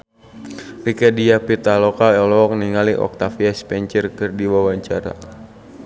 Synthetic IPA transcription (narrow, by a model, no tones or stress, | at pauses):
rikɛdiapit̪alɔkaɔlɔɔk̚niŋaliʔɔ̰k̚t̪afiaspɛɲt͡ʃərkɨrdiwawaɲt͡ʃaɾa̰